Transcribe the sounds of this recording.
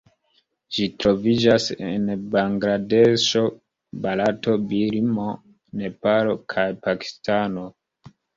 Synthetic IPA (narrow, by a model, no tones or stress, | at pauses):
d͡ʒitɾo̞vid͡ʒasḛnbaŋɡɾadeʃo̞ | balato̞biɾmo̞ | ne̞palo̞kʰajpaki̥stano